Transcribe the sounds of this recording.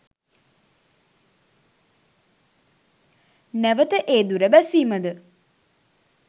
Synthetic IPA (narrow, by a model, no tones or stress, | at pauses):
næʋət̪əʔeːd̪uɾəbæsiːməd̪ə